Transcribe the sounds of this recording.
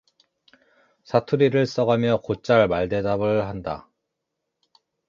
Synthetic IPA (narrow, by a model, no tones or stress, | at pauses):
sʰatʰuɾiɾɯɭs͈ʌɡamjʌkot͡ɕ͈aɭmaɭde̞dabɯɭhanda̰